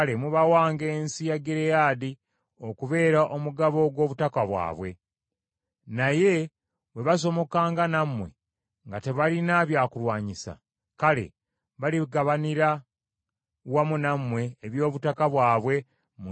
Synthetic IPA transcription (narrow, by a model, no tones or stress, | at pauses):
le̞muβawaːŋɡe̞ːnsijaɡeɾejaːdi | o̞kuβe̞ːɾaʔomuɡaβo̞ɡwo̞ːβutakaβwa̰ːβwe̞ | naje̞ | βwe̞βaso̞mo̞kaːŋɡanamwe̞̰ | ŋɡate̞βalinaβjaːkulwaːɲisa̰ | kale̞̰ | βaliɡaβaniɾa | wamunamwe̞ːβjo̞ːβutakaβwaːβwe̞ | mu